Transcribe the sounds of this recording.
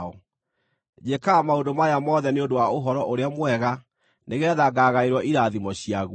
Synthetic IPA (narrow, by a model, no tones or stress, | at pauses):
ɔ | d͡ʑekamaodomajamɔðɛneondowaoɦɔɾɔʔoɾeamwɛɣa | neɣɛːðaɡaːɣaeɾwɔʔiɾaðimɔɕiaɣ